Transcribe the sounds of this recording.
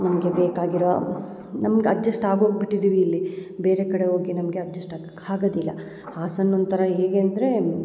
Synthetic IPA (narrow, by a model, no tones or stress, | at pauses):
nɐmɐɡe̞beːkaːɡiɾo | nɐmɐɡeɐd͡ʒːɐsʈaːɡɦoːɡ̚biʈːid̪iːʋiːlːibe̞ːɾekɐɽeɦoːɡinɐmɐɡe̞ɐd͡ʒːɐsʈa | haːɡod̪ilːɐ̰ | haːsɐnːont̪ɐɾɐɦeːɡeːɐnd̪ɐɾe̞